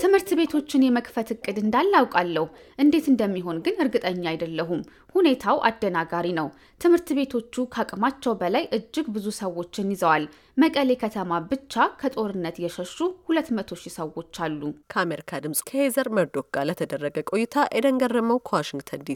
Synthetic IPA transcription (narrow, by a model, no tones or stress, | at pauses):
t̪ʰɨmhɨɾt̪be̞t̪ʰo̞t͡ʃːɪnjɛməkʼfət̪ɨkʼːɨd̪ɨnd̪alːawkʼalːəhu | ʔɨnd̪e̞t̪ɨnd̪əmːiɦo̞nɡɨnɨɾɡɨt̪ʼəɲːajd̪əlːəɦum | hune̞t̪ʰawʔa̰d̪ːənaɡaɾinəw | t̪ʰɨmhɨɾt̪be̞t̪ʰo̞t͡ʃːukʰakʼmat͡ʃːɛwbəlajʔɨd͡ʒːɪɡbɨzusəwːo̞t͡ʃːɪnjɪzəwal | məkʼəle̞kʰət̪ʰəmabɨt͡ʃːakʰət̪ʼo̞ɾɨnːət̪jɛʃəʃːuhulət̪ːmət̪ʰo̞ʃisəwo̞t͡ʃːalːukʰəameɾikʰad̪ɨmsʼkʰəhezəɾməɾd̪o̞ɡalət̪ʰəd̪ərːəɡəkʼojːɪt̪ʰajʔɛd̪əŋɡərːəməwkʰəwaʃɪŋɡt̪ʰənd̪i